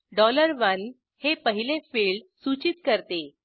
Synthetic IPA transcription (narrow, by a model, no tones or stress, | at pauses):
ɖɔləɾʋən | hepəɦilefiɭɖsut͡ɕit̪kəɾt̪e